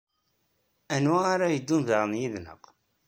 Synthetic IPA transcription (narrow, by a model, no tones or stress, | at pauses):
ænwæaɾajəd̪ːunðəɾənjiðnə̰q